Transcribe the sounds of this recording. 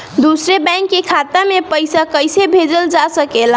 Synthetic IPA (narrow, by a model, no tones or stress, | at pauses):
d̪usɾebaŋkːekʰat̪amepəjsakəjsebʱed͡ʒəld͡ʒasəkel